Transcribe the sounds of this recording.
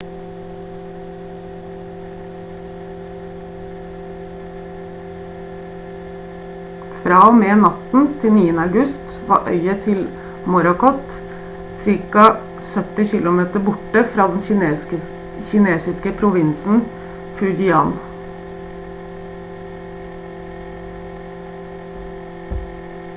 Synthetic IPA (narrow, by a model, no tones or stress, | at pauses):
fɾɑːoːmeːnɑt̪n̩t̪ʰɪniːənəɑʉɡʉst̪ʋɑ̰ːʔœ̰ʏət̪ʰɪl | mʊɾɑkɔt̪ | sɪɾkɑ | sœt̪ɪçɪlʊmeːt̪əbʊʈəfɾɑːd̪ɛn | çɪneːsɪskəpʰɾʊʋɪnsn̩ | pʰʉd͡ʒʏɑːn